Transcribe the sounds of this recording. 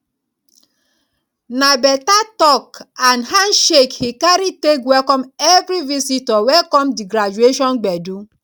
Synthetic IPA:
nabɛtatɔkanhanʃekhikaɾitekwɛkɔmɛvɾivisitɔwɛkɔmdiɡɾad͡ʒueʃɔnɡ͡bɛdu

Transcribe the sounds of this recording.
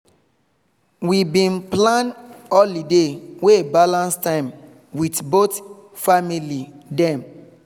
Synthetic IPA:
wibĩnplãnɔlideweebalãnstãɪ̃m | witbot | familidɛ̃m

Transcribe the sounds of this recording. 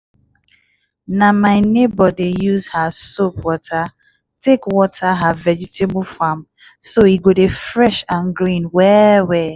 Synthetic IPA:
namaɪnebɔdejuzhasopwɔtʰa | tekwɔtʰaɦavɛd͡ʒɪtebfam | soiɡʷodefɾɛʃanɡɾĩnwɛwɛ

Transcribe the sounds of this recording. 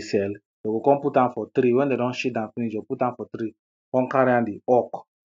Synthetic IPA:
sɛl | jɔɡokɔ̃mputãnfɔtɾiwɛ̃ndɛdɔ̃nʃit̚dãnfinid͡ʒɔputãnfɔtɾi | kɔ̃nkaɾiãndiɔk

